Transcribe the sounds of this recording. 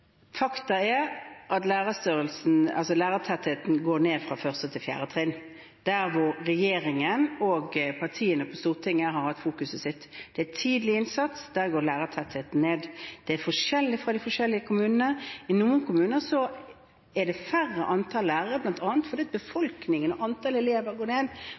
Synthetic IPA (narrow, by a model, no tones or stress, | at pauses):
fɑkt̪ɑɛɾʔɑt̪læːʁɑst̪øːʁəlsn̩ɑ̰lsɔlæːɾət̪ʰæt̪ːhet̪nɡoːneːd̪fɾɑfœʁsət̪ʰɪlfjæ̰ːɾət̪ʰʁɪn | d̪̥æɾʋʊɾːɛjeːɾɪŋənɔɡpʰɑʁt̪ʰiːənəpʰɔst̪uːʁt̪ʰɪŋːəɦɑɾhɑt̪ːfuːkʉsəsɪt̪ːd̪̥ɛæt̪ʰiːd̪əlɪɪnsɑt̪sd̪̥æːɡoːlæːɾət̪ʰɛt̪ːheːt̪n̩neːd̪d̪̥ɛæfɔʂɛlːɪfʁɑd̪æɪfɔʂɛlːɪəkʰʊmʉːnənəɪnuːənkʊmʉːnəsɔ | ɛd̪ɛfærːəʔɑnt̪ʰɑllæːʁəɾblɑnt̪ɑːnt̪fɔd̪iːɑt̪̚bəfɔlknɪŋənɔʔɑnt̪ʰɑːlɛleːʋəɾɡoːneːd̪